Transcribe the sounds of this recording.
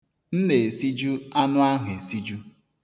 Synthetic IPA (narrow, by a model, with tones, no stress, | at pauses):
n̩˦ne˨e˨si˦d͡ʒu˦a˦nʊ˦a˦ɦʊ˨e˨si˦d͡ʒu˦